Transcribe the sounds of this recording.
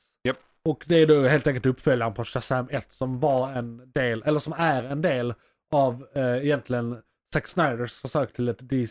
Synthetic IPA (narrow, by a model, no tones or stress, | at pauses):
jɛ | ɔkd̪ɛæɖ̪oːheːlt̪ɛŋkəlt̪ɵpːfœljanəpʰɔʃɛsɛmɛt̪ːsɔmvɑɾɛnd̪eːlʔɛlːəʂɔmæɾɛnd̪eːl | avɪjɛnt̪lɪɡən | sæksnaɪd̪əɾsfœʂøːkt̪ʰɪlɛt̪d̪ɪ